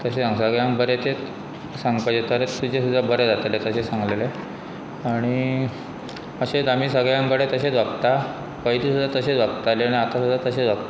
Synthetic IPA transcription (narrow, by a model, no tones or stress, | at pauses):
t̪əɕeaŋɡsəɡɭjãŋbəɾet̪e | sãŋɡpajd͡ʑet̪əɾet̪ːud͡ʑesud̪ʱːabəɾed͡zat̪elet̪əɕesãŋɡlele | aɽ̃i | əɕed̪am̤iːsəɡɭjãŋɡəɽet̪əɕed͡zʋaɡt̪a | kəjd̪isud̪ʱːat̪əɕed͡zʋaɡt̪aleaɽ̃iat̪asud̪ʱːat̪əɕed͡zʋaɡt̪a